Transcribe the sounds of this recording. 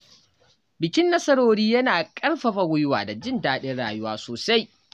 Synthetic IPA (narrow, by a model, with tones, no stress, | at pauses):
bɪ˨kʲɪ˦nːɐ˦sɐ˦ɽoː˨ɽiː˦jɐ˦naː˨kʼɐ˦lɸɐ˨ɸa˨wʊ˦jʊ˦wa̰ː˨da˨d͡ʒɪ˦ndaː˦ɗɪ˦ɽa̰ː˨jʊ˦waː˦soː˨sa˦j